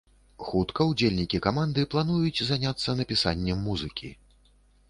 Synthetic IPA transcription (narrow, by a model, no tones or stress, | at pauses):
xut̪kɐud͡zʲelʲnʲikʲikamand̪ɨplˠanujut͡sʲzanʲat̪sːɐnɐpʲisa̰nʲːɛmːuzɨkʲʰḭ